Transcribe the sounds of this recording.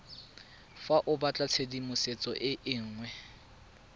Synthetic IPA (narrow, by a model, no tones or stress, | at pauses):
faʔʊbat͡ɬʼat͡sʰedimʊset͡sʼɔʔɪʔɪŋ̩ːŋwɛ